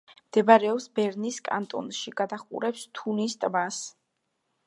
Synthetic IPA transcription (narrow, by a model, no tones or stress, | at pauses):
md̪̥ɛbaɾɛɔpsbɛɾniskʼa̰nt̪ʼɔ̰nʃiɡ̥ad̪aχṵɾɛpst̪ʰunist̪ʼbas